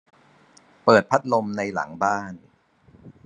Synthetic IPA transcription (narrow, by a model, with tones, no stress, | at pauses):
pɤː˨˩t̪̚pʰa˦˥t̪̚lo˧mna˧jla̰˩˦ŋbaː˥˩n